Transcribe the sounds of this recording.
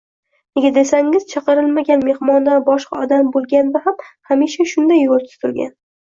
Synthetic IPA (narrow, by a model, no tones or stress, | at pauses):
neɡʲad̪esaŋɪz̥t͡ʃʰɑqɨɾɪlmaɡʲanme̞hmɒnd̪anbɒʃqɑɒd̪ambolˠɡʲanvahamhamiʃaʃʊnd̪ajːolˠt̪ʰʊ̥t̪ʊɾɡʲa̰n